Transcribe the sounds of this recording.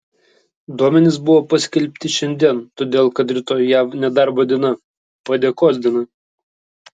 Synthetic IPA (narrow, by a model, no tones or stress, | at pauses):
d̪uɔmʲɛnʲɪs̬bʊʋopɐsʲkʲɛlʲpʲt̪ʲɪʃʲɛnʲd̪ʲiɛnt̪oːd̪ʲeːlˠkɐt̪ʲɾʲɪt̪oːjjæːʋnʲɛd̪ɑɾboːd̪ʲinɐ | pɐd̪ʲeːkoːzʲd̪ʲɪnɐ